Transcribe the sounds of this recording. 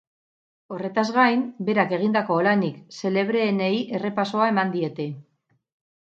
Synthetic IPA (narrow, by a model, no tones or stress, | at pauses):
o̞re̞t̪azɣajmbe̞ɾake̞ɣ̞ind̪ako̞ːlanikse̞le̞βɾe̞ːnejʔe̞re̞paso̞ae̞mand̪ie̞t̪e̞